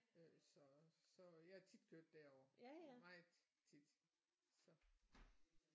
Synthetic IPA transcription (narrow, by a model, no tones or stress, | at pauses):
øsɒ̽sɒ̽jɑ̈æɐt͡sʰid̥kʰøɐ̰d̥ːæɐɒɐmɑ̥̈ | t͡sʰid̥ | sɒ̽